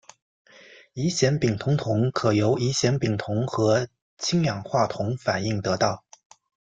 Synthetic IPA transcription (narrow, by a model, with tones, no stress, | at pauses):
i˧˥ɕjɛ˧˥npi˨˩ŋt̪ʰʊ˧˥ŋt̪ʰʊ˧˥ŋkʰɤ˨˩jo˧˥ʊi˧˥ɕjɛ˧˥npi˨˩ŋt̪ʰʊ˧˥ŋxɤ˧˥ | t͡ɕʰi˥ŋjɑ˨˩ŋxwa˥˩t̪ʰʊ˧˥ŋfa˨˩ni˥˩ŋt̪ɤ˧˥t̪ɑ˥˩ʊ